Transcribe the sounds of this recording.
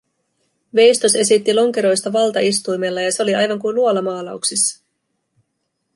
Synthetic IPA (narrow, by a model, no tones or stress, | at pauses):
ʋe̞jst̪o̞se̞sit̪ːilo̞ŋke̞ɾo̞jst̪ɑʋɑlt̪ɑist̪ujme̞lːɑjɑse̞o̞liɑjʋɑŋkujnluolɑmɑːlɑuwksisːɑ̥